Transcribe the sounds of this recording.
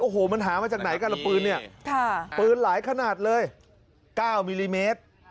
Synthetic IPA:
ʔoː˨˩ɦoː˨˩ma˧nɦaː˩˦maː˧t͡ɕaː˨˩k̚na˩˦jka˧˩la˧˩pɯː˧nːi˥˩ɐkʰa˥˩pɯː˧nlaː˩˦jkʰa˧naː˨˩t̪̚lɤː˧j | kaː˥˩wmiː˧liː˧meː˦˥t̪̚

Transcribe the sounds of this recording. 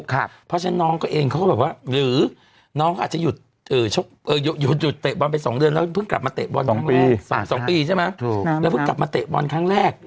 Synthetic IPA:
pʰɔ˧˥se˧˦nnɔ˨˦˥ŋkɔː˨˧˩ʔeː˧ŋkɔ˧˦kɔ˦˩bɛː˨˩k̚waː˧lɨː˨˩˦ | nɔ˨˦˥kɔ˦˥ʔaː˨˩t͡ɕɛ˧˥ju˨˩t̪̚ | ʔəː˨˩t͡ɕʰo˦˥k̚ʔəː˧˩ju˨˩ju˨˩t̪̚zu˨˩t̪̚t̪eː˨˩ɓɔ˧npa˧jsɔ˨˦ŋɗɨ˧ənlɛ˧˦˥pʰŋka˨˩p̚maː˧t̪ḛː˨˩ɓɔː˧nɔ˨˦i˧sɔ˨˦sɔ˨˦ŋpiː˧t͡ɕʰa˨˧˥maː˨˧˥ɛː˨˦pʰŋka˨˩p̚maː˧t̪ḛ˨˩ɓɔ˧nkʰaː˧˥˩ŋlɛː˥˩k̚

